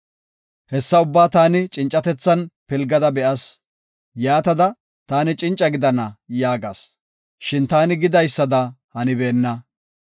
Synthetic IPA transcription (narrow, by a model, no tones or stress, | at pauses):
hɛsːɐʊbːaːt̪aːnɪt͡ʃʼɪnt͡ʃʼːɐt̪ɛt͡sːɐnpɪlɡɐd̪ɐbɛʔɐs | jaːt̪ɐd̪ɐ | t̪aːnɪt͡ʃʼɪnt͡ʃʼːɐɡɪd̪ɐnɐjaːɡa̰s | ʃɪnt̪aːnɪɡɪd̪ɐjsːɐd̪ɐhɐnɪbeːnːɐ